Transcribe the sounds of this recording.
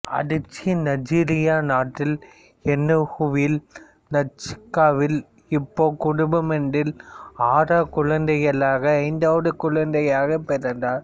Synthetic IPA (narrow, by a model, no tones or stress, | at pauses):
ɐ̰ðɪt͡ʃːnɐd͡ʒiːɾɪjaːnaːʈːɪl | ɛnːɯhʊʋɪl | nɐt͡ʃːɪ̥kːaːʋɪl | ɪpːoːkʊɽʊbɐmɛɳɖɪlaːɾaːkʊɻɐnd̪ɐjɐɭaːɣɐːɪnd̪aːʋɐðɯkʊɭɐnd̪ɐjaːɣɐpːɛɾɐndaːɾ